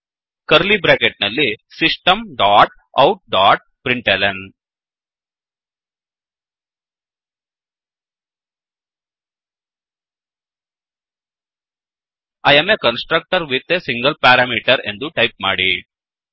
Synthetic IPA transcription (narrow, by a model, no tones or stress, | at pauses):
kɐɾlibɾeːkeʈ̚nɐlːisisʈɐmɖaːʈ̚ | ɐwʈ̚ɖaːʈ̚pɾiɳʈeleɳ | ɐjemekɐnsʈɾɐk̚ʈɐɾʋit̪ːesiŋɡɐlpaːɾaːmiːʈɐɾḛnd̪uʈɐjp̚maːɽi